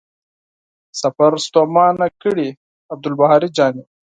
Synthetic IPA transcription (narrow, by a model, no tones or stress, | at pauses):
sɐfɐɾst̪oːmɑːnakəɽi | ɐb̚d̪ulbaɦaːɾid͡ʒaːni